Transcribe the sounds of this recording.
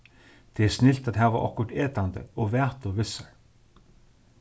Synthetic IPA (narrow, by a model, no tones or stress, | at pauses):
t̪ʰɛɛsnɪl̥t̪aðɦɛːvaʔɔ̰hkʊɾ̥t̪ɛːt̪ant̪ə̰ɔɣvɛːht̪ɔvɪsːaɹ̥